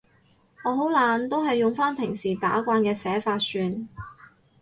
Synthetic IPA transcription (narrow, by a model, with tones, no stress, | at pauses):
ŋɔː˨˧ɦo˨˥wlaː˨nt̪o˥wɦɐ˨jːʊ˨ŋfaː˥npʰɪ˨˩ŋsiː˨˩t̪a̰ː˨˥kʷaː˧nkɛː˧sɛː˨˥faː˧tsyː˧n